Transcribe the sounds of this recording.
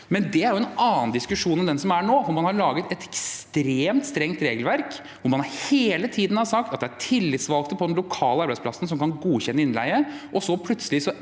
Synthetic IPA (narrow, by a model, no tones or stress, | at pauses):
mɛnd̪ɛæɾjʊɛnɑːn̩d̪ɪskʉʂuːnɛmd̪ɛnsɔmæɳoːfɔɾmɑnhɑɾɭɑːɡət̪ɛt̪ʰɛkst̪ɾeːmt̪st̪ɾɛŋt̪ɾeːɡəlʋæɾk | ʋʊmɑnhɑɾheːlət̪ʰiːd̪n̩hɑsɑkt̪ɑt̪d̪ɛæʈʰɪlːɪt̪sʋɑlk̚t̪əpʰɔd̪ɛnlʊkʰɑːləɑɾbæɪspʰlɑsn̩s̬ɔmkʰɑnɡuːçɛnːəɪnlæ̰ɪəʔɔsɔpʰlʉt̪səlɪsɔ